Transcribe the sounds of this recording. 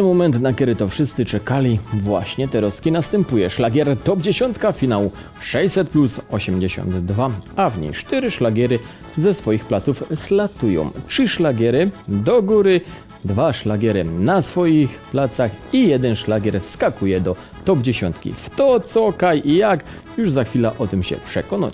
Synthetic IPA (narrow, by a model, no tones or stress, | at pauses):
t̪ɛnmɔmɛnt̪nakʲɛɾɘt̪ɔfʂɘst̪sɘt͡ʂɛkalʲivwa̰ɕɲɛt̪ɛɾɔskʲinast̪ɛmpujɛʂlaɡʲɛɾt̪ɔbd͡ʑeɕɔnt̪kafʲinawu | ʂɛjsɛt̪̚plusɔɕɛmd͡ʑeɕɔ̰nd̪ːvaavɲḛjʂt̪ɛɾɘʂlaɡʲɛɾɘ | zɛsfɔjixplat̪sufslat̪ujɔ̰̃w̃ʈ͡ʂʂɘʂlaɡʲɛɾɘd̪ɔɡuɾɘ | d̪vaʂlaɡʲɛɾɘnasfɔjixplat̪saxijɛd̪ɛnʂlaɡʲɛɾfskakujɛd̪ɔ | t̪ɔbd͡ʑeɕɔ̰nt̪kʲḭft̪ɔt̪sɔkajʔijak | juʐzaxfʲilaʔɔt̪ɘmɕɛ̰pʂɛ̰kɔna̰